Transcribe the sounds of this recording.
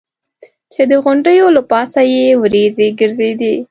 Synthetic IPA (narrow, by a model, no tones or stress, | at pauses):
t͡ʃed̪əɣʊɳɖəjolapɑsajewɾezeɡəɾzed̪i